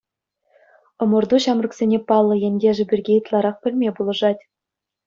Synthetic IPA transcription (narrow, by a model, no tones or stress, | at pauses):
ɤ̆mɤ̆rd̪uɕɑmrɤ̆ksʲenʲepɑlˠːɤ̆jĕnʲdʲeʐɘ̆bʲɘ̆rɡʲejɯt̪lˠɑɾɑχpʲɘ̆lʲmʲebulˠɤ̆ʐɑtʲ